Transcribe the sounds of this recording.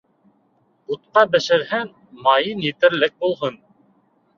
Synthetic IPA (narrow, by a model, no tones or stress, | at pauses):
ut̪̚qɑbɘ̆ʃɘ̆ɾhæn | mɑjɤnjit̪ɘ̆ɾlɘk̚bulˠɦɤn